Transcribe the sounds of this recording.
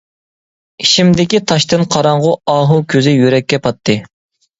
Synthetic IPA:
iʃimd̪ɪkʲit̪ʰɑʃt̪ɨnqʰɑɾɑɴʁʊɑːɦukʲʰøzɪjyɾɛkʲːɛpʰɑt̪ʰːɨ

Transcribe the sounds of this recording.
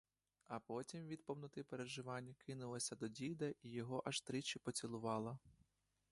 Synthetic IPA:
ɐpɔtʲimʋʲid̪pɔwnɔt̪ɪpeɾeʒɪʋɑnʲːɐkʰɪnʊlˠɐsʲɐd̪ɔdʲijd̪ɐʔijɔɦɔʔɐʃt̪ɾɪt͡ʃɪpɔt͡sʲilˠʊʋɑlˠɐ

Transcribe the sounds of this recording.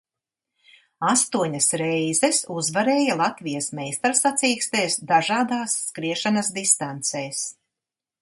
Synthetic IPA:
ast̪uɔɲɐsɾɛjzɛsuzvaɾeːjalˠat̪vijasmɛːjst̪aɾsat̪siːkst̪eːsd̪aʒaːd̪aːsːkɾiɛʃanɐsd̪ist̪ant̪sɛːs

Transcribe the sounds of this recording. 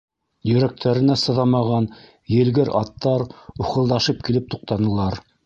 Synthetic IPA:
jɵ̆ɾæk̚t̪ʰæɾɘ̆næsɤ̆ðɑmɑʁɑn | jɘ̆lɡɘɾɑt̪ːɑɾuχɤ̆lˠd̪ɑʃɤp̚kilɘp̚t̪uq̚t̪ɑnɤ̆lˠɑɾ

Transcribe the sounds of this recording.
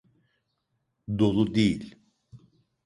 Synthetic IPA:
d̪o̞lˠud̪ejilʲ

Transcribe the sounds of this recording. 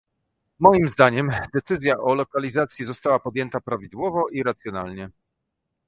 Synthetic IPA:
mɔjimzd̪aɲɛmd̪ɛt̪sɘzʲjaʔɔlɔkalʲizat̪sʲjizɔst̪awapɔd̪jɛnt̪apɾavʲid̪wɔvɔʔiɾat̪sʲjɔna̰lɲɛ

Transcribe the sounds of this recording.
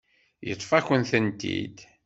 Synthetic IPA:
jə̰t̪ˤːfæçənθənt̪ḭd̪

